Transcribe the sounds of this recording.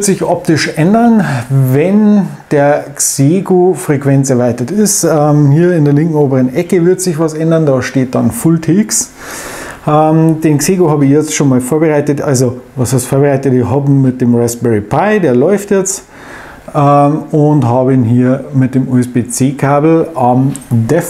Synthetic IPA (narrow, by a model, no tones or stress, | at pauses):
tz̥ɪçʔɔp̚tɪʃʔɛndɐnvɛnd̥eːɐkseːɡofʁ̥ekv̥ɛnt͡sɛɐvaɪtɐtɪstɛmhiːɐɪndeːɐlɪŋkŋ̩oːbəʁənʔɛkəvɪɐtz̥ɪçvɑsɛndɐndɑːʃteːt̚d̥ɑnfʊltʰiks | ʔɛmd̥eːnkseːɡohɑːbəɪçjɛt͡stʃoːnmɑːlfoːɐbəʁaɪtətʔa̰lzovɑsastfoːɐbəʁaɪtətɪɦɑːbm̩mɪt̚d̥eːmʁɛstb̥ɛɹipʰaɪdeːɐlɔʏftjɛt͡st | ɛmʊntɦɑːbəinɦiːɐmɪt̚d̥eːmuːɛsb̥eːt͡seːkʰaːbl̩ɑmdɛf